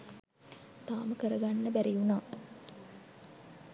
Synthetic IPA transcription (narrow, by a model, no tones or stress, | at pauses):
t̪aːməkəɾəɡanːəbæɾijunaː